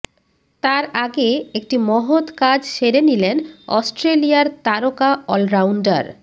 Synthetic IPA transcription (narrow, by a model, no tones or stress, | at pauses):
t̪aɾaɡeek̚ʈimɔɦot̪kad͡ʑʃeɾenilenɔ̰sʈɾelijaɾt̪aɾokaɔlɾawɳɖa̰ɾ